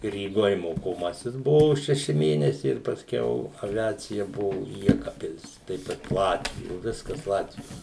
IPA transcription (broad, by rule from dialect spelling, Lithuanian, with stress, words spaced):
rʲiːˈɡoːj moːkoːˈmɑːsʲɪs ˈbʊʋoː ʃʲɛˈʃʲɪ ˈmʲeːnʲɛsʲɛɪ ɪr pɐsʲˈkʲɛʊ ɐˈʋʲæːt͡sʲɪjɛ ˈbʊʋʊ ˈjæːkɐpʲpʲɪlʲs ˈtɐɪp kɐt ˈlˠɑːtʲʋʲɪjoː ˈʋʲɪskɐs ˈlˠɑːtʲʋʲɪjoː